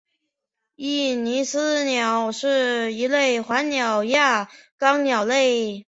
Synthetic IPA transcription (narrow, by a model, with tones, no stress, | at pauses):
i˥˩ni˧˥sɹ̩˥njɑ˨˩ʊʂɻ̩˥˧i˧˥le˥˩ɪxwa˧˥nnjɑ˨˩ʊja˥˩kɑ˥ŋnjɑ˨˩ʊle˥˩˧ɪ